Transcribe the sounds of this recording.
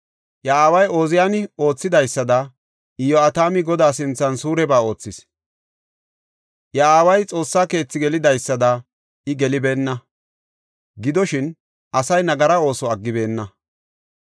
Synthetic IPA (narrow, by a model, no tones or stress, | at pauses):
jɐaːwɐjo̞ːzɪjaːnɪo̞ːt͡sːɪd̪ɐjsːɐd̪ɐ | ɪjɔɐt̪aːmɪɡɔd̪aːs̬ɪnt͡sːɐnsuːɾɛbaːo̞ːt͡sːɪs | jɐaːwɐjt͡sʼo̞ːsːaːke̞ːt͡sːɪɡɛlɪd̪ɐjsːɐd̪ɐ | ʔɪɡɛlɪbe̞ːnːɐ | ɡɪd̪ɔʃɪn | ʔɐsɐjnɐɡɐɾɐo̞ːsɔɐɡːɪbe̞ːnːɐ